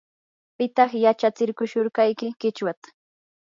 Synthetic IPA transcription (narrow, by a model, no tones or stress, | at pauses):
pɪt̪ɑχjat͡ʃat͡sɪɾkʊʃʊɾkɑjkɪkɪt͡ʃwat̪ḁ